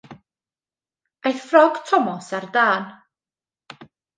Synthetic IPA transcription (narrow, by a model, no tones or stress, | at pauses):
ejθfrɔɡ̥tʰɔmɔsardaːn